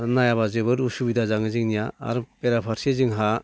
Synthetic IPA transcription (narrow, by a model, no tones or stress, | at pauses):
najaβazɯβɯɾusubidazaŋɯzɯŋnijaa̰ɾpeɾapʰaɾsezɯŋɦa